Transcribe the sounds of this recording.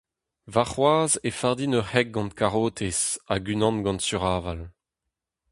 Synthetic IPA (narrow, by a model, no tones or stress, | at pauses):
vaʁχwaːzefaʁd̪inœʁhɛk̚ɡɑ̃nt̪kʰaʁoːt̪ʰesaɡynɑ̃nɡɑ̃ntsyʁaːval